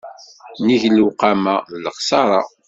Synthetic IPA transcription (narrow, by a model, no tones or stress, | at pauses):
niʝlːuqamaləqsɑɾˤɑ̰